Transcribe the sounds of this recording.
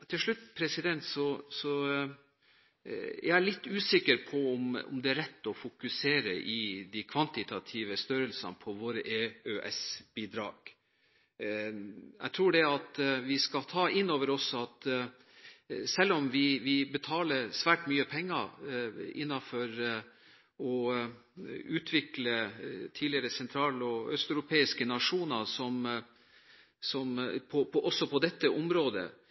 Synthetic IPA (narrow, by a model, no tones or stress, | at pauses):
t̪ʰɪlʂɭʉt̪ːpʰɾɛsɪd̪ɛnt̪sɔsɔ | jææɭɪt̪ːʉːsɪkːəɾpʰɔɔmɔ̰md̪ɛæɾɛt̪ːɔfʊkʉseːɾə̰ʔɪd̪ikʰʋɑnt̪ɪt̪ʰɑt̪ʰiːʋəst̪œɾəlsɑ̰npʰɔʋoːɾəʔeøʔɛsb̥iːd̪ɾɑ̰ːɡ̥ | jæ̰ɪt̪ʰɾuːɖɛɑt̪ʋɪskɑt̪ʰɑːʔɪnːoːʋəɾɔsɔɑt̪ | sɛlːɔmʋɪʋɪbət̪ʰɑːləɾsʋæːʈmyːəpʰɛŋːɑ | ɪ̰nːɑfɔɾ | ɔ | ʉːt̪ʰʋɪklət̪ʰiːlɪəɾəsɛnt̪ʰɾɑːlɔœst̪œʉɾʊpʰeːɪskənɑʂuːnəɾsɔm | sɔmpʰɔpʰɔʔɔsːɔpʰɔd̪ɛt̪ːəʔɔmɾoːd̪ə̰